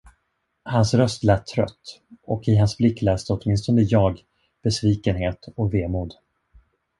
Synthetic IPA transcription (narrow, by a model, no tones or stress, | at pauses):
hansɾœst̪lɛːt̪ʰːɾœ̰t̪ː | ɔkɪɦansblɪkːlɛːst̪əɔt̪mɪns̬t̪ɔnd̪əjɑːɡ | b̥ɛsviːkənɦeːt̪ɔkveːmuːd̪